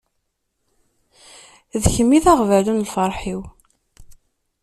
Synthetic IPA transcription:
ðçəmːiθaʁvælunlfəɾˤħiw

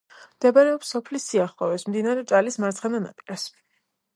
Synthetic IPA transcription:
md̪̥ɛbaɾɛɔpsɔpʰlisiaχlɔvɛsmd̪inaɾɛt͡ʃʼalismaɾt̪sʰχɛnana̰p̪ʼilas

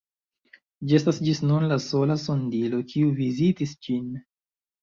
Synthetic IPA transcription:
d͡ʒie̞stasd͡ʒisnunlaso̞laso̞ndilo̞kʰiuvizitisd͡ʒin

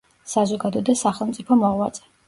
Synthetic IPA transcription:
sazɔɡad̪ɔd̪asaχɛlˠmt̪sʼipʰɔmɔʁwat̪sʼɛ̥

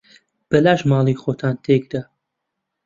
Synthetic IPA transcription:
b̥ɐlaːʃmaːlˠiːxoːt̪ʰaːnt̪ʰeɡd̪a

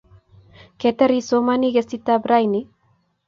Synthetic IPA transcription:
ket̪eɾisomaniɡesit̪abɾajni

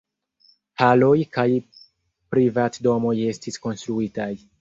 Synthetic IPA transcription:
halo̞jkaj | pɾivatdo̞mo̞je̞stisko̞nstɾuitaj

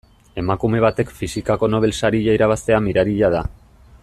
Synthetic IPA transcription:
e̞makume̞β̞at̪e̞kfisikako̞no̞β̞e̞lsaɾiʎaiɾaβ̞ast̪e̞amiɾaɾiʎað̞a̰

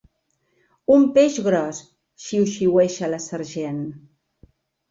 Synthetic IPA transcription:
umpeʃɣɾɔs | ʃiwʃiwɛʃələsəɾʒen

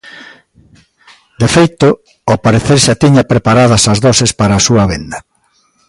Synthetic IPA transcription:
d̪efejt̪ʊ | opaɾeθeɾʃat̪iɲapɾepaɾað̞ɐsɐzðɔsespaɾaːsuɐβend̪ɐ

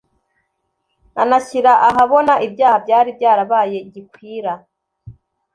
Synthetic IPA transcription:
nʔanaçiɾaʔaɦaβo̞naʔibjaːhabjaːɾib̚ɟaːɾaβaːje̞ɟikwiːɾa

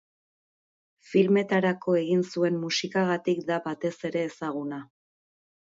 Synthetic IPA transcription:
filme̞t̪aɾako̞e̞ɣinsue̞mmusikaɣ̞at̪ikd̪abat̪e̞se̞ɾe̞ːsaɣ̞una

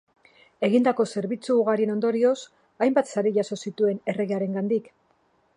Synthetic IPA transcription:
e̞ɣind̪ako̞se̞ɾβit͡suːɣ̞aɾie̞no̞nd̪o̞ɾio̞s | ajmbat̪saɾeʝaso̞sit̪ue̞ne̞re̞ɣeaɾe̞ŋɡand̪ik

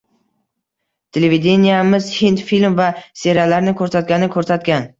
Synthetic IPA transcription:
t̪ʰelevid̪e̞nijamɪzhint̪filmvase̞ɾalaɾnɪkʰɵɾsat̪̚ɡʲanɪkʰɵɾsat̪ɡʲan

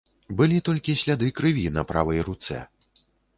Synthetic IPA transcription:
bɨlʲit̪ɔlʲkʲisʲlʲad̪ɨkɾɨvʲinɐpɾa̰vɐjɾut̪sɛ̰

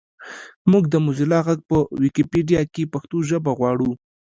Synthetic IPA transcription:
muɡd̪əmuzilɑɣaɡ̚pəwikipeɖijɑkepaxt̪oʒəbaɣwɑɽu

